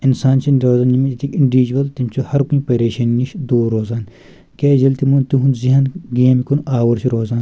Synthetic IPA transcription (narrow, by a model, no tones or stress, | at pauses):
insaːnt͡ʃʰinɾoːzaːnjimiit̪ʰikiɳɖiʋid͡ʒuʋɐlt̪imt͡ʃʰuhɐɾkuĩpeɾeːʃɐnːiʃd̪uːɾoːzaːn | kʲeːzɐlt̪imunt̪iɦunziɦɐnɡeːmikunʔaːwɐɾsʰiɾoːzaːn